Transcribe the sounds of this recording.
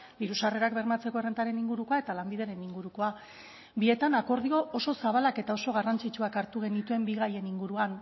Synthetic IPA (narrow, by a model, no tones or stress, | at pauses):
d̪iɾusare̞ɾakbe̞ɾmat͡se̞ko̞e̞rent̪aɾe̞niŋɡuɾuko̞ae̞t̪alambiðeɾe̞niŋɡuɾuko̞a | bie̞t̪anako̞ɾð̞io̞ʔoso̞saβalake̞t̪ao̞so̞ɣ̞arant͡sit͡ʃuakaɾt̪uɣ̞e̞nit̪ue̞mbiɣaje̞niŋɡuɾuan